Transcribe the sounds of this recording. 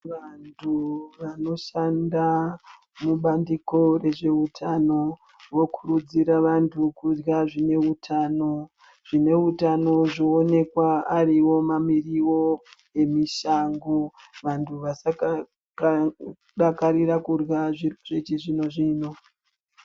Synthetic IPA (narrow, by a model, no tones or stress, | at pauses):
ʋantʰuʋano̞ʃanda | muɓandiko̞re̞ʐe̞utʰano̞ | ʋo̞kʰurud͡ziɾaʋantʰukurɣaʐine̞utʰaːno̞ | ʐ̥ine̞utano̞ʐoːne̞kwaːriwo̞mamiriwo̞ | e̞miʃaŋɡo | ʋantʰuʋasak | k | ɗakaɾiɾakurwaʐiʐet͡ʃiʐino̞ʐiːno̞